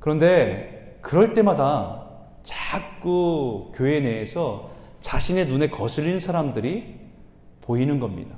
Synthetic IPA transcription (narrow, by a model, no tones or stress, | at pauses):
kɯɾʌnde̞ | kɯɾʌɭt͈e̞mada | t͡ɕakk͈ukjoe̞ne̞ːsʰʌ | t͡ɕaɕʰine̞nune̞kʌsʰɯʎːinsʰaɾamdɯɾi | poinɯnɡʌmɲḭda